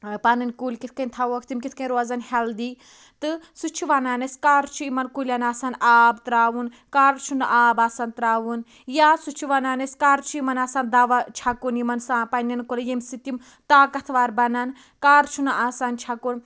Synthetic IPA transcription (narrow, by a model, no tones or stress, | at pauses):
pɐnɨnkulʲkit̪ʰkɐnʲt̪ʰawɐkʰt̪imkit̪ʰkɐnɾoːzɐnhɛld̪iː | t̪ɨsut͡ʃʰuʋanaːnɐskaːɾt͡ʃʰuimɐnkulʲanaːsaːnaːbt̪ɾaːʋun | kaːɾt͡ʃʰunʔaːbaːsaːnt̪ɾaːʋun | jaːsut͡ʃʰuʋanaːnɐskaːɾt͡ʃʰuimɐnaːsaːnd̪aʋɐt͡ʃʰakunimɐnsãːpɐnʲːɐnkulɐjemsit̪im | t̪aːkɐt̪ʰʋaːɾbɐnan | kaːɾt͡ʃʰunaːsaːnt͡ʃʰakun